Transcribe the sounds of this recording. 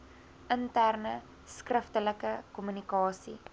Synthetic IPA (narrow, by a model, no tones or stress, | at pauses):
əntærnə | skrəftələkəkɔmynikɑːsi